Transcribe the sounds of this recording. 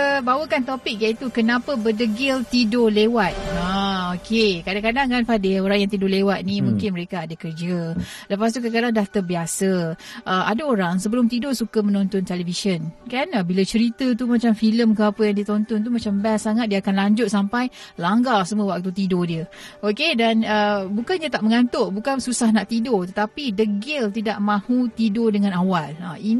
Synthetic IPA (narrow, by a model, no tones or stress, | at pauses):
əbawəkant̪opɪk̚jait̪ukənãpəbədəɡɪlt̪idolewat̪̚aokʰekadakadaŋkanfadeoɾaŋjaŋt̪̬idolewat̪̚nimũŋkɪnməɾekaːdakərd͡ʒə | ləpast̪ukadakadaŋdaht̪əbiasəʔəadaoɾaŋsəbəlʊmt̪idosukamənɔ̃nt̪ɔnt̪ɛləfisənkanəbilat͡ʃəɾit̪ət̪umat͡ʃamfiləmkəapəjaŋdiət̪ɔnt̪ɔnt̪̬umat͡ʃambɛnsaŋat̪̚diaakanlaɲd͡ʒʊt̪̚sampajlaŋɡalsəməwak̚t̪ut̪idodiəokedanəbukandiət̪aʔ̚məŋant̪ʊʔbukansusahnaʔt̪idot̪ət̪apidəɡɪlt̪idaʔmãhut̪idodəŋãnawaləin